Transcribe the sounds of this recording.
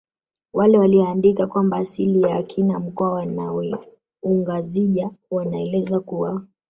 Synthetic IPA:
walɛwaliɔandikakwambaːsilijaːkʰinam̩kɔawanaɛ | uŋɡaziʄawanaɛlɛzakuwa

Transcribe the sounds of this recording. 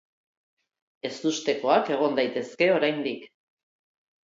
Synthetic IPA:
e̞st̪ust̪e̞ko̞ake̞ɣ̞o̞nd̪ajt̪e̞ske̞o̞ɾajnd̪ik

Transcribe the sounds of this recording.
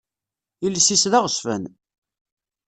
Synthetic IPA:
ilːsisðaʁəsfə̰n

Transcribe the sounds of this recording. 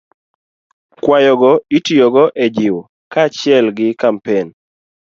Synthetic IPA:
kwajɔɡɔitijoɡɔʔɛd͡ʒɪw | kat͡ʃɪɛlɡɪkampen

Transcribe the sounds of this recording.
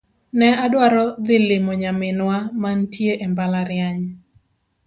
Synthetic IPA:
nɛadwaɾɔd̪ɪlɪmoɲamɪnwamantjeʔembalaɾɪjaɲ

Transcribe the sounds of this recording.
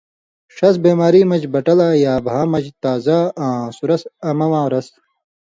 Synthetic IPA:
ʂɐsbeːmaːɾiːmɐd͡ʑbɐʈɐlaːjaːbʱaːmɐd͡ʑt̪aːzaːãːsuɾɐsɐmɐwãːɾɐs

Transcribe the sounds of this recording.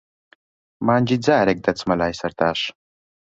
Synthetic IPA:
maːnʲd͡ʑid͡zaːɾek̚d̪ɐt͡smɐlaːjsɐɾt̪aːʂ

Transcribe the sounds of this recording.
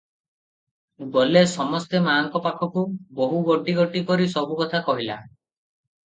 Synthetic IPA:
ɡolesɔmɔst̪emaŋkɔpakʰɔkuboɦuɡɔʈiɡɔʈikɔɾisɔbukɔt̪ʰakɔɦila̰

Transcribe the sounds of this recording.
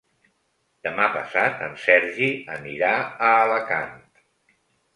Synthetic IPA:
d̪əmapəsat̪ənsɛɾʒiəniɾaəːləkant̪

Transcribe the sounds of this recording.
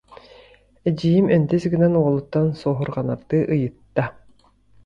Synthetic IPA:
ɛd͡ʑijimɛnt̪ɛsiɡinɛnuɔlˠut̪ːansɔːɦuɾʁana̰ɾd̪ɯʔɯjɯt̪ːa

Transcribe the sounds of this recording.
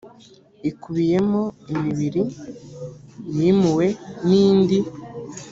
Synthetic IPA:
ikuβije̞moimiβiɾi | jimuwe̞niːndi

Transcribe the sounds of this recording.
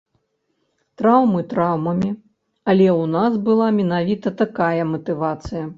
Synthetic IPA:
t̪ɾawmɨt̪ɾawmɐmʲi | ɐlʲɛwnasbɨlˠamʲɛnavʲit̪ɐt̪akajɐmɐt̪ɨvat̪sɨjɐ

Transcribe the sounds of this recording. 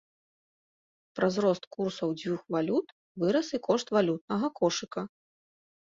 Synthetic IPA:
pɾɐzɾɔst̪kursɐwd͡zʲvʲuxvalʲut̪ | vɨɾɐsikɔʂt̪valʲut̪̚nɐɣɐkɔʂɨkɐ

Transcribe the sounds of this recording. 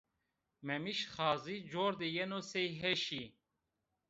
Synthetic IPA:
memiʃχɑːzid͡ʑoːɾd̪ejenosejɦeʃi

